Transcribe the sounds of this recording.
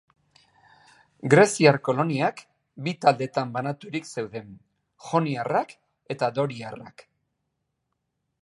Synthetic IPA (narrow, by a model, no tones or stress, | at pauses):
ɡɾe̞siarko̞lo̞niak | bit̪ald̪e̞t̪ambanat̪uɾikse̞wðe̞n | xo̞niarak | e̞t̪ad̪o̞ɾiara̰k